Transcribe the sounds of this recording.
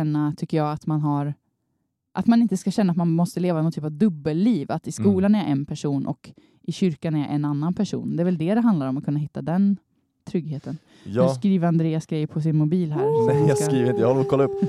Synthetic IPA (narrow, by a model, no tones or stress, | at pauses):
ɛnːat̪ʰʏkːəjɑːat̪manɦaɾ | ʔat̪manɪnt̪əskaɕɛnːat̪manmɔst̪əleːvanɔnt̪ʰyːpavd̪ɵbːəlːiːvat̪ɪskuːlanɛɾjaʔɛnpʰæʂuːnʔɔ̰k | ʔɪɕʏɾkanɛɾja̰ʔɛnanːanpʰæʂṵːnd̪ɛːɾvɛld̪ɛd̪ɛɦand̪laɾɔmat̪kʰɵnːaɦɪt̪ːad̪ɛn | t̪ʰɾʏɡheːt̪ən | jskɾiːvəɾand̪ɾeːasɡɾɛjːəpʰɔs̬ɪnmʊbiːlhæːɾɛɑɾiːvɾɪnəjɑhakʰɔlːaɵpː